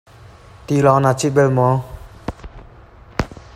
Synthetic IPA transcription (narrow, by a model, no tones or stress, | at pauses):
t̪ilɔnat͡ɕʰit̪̚belmɔ